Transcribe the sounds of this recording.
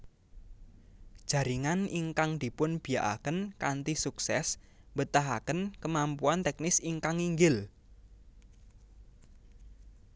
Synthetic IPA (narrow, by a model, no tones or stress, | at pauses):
d̥ʒ̥ä̤ɾiŋaniŋkaŋd̪̥i̤pʊnb̥i̤jaʔa̰kənkant̪isuksɛs | mbət̪aɦa̰kənkəmampuant̪ɛknɪsiŋkaŋiŋɡɪl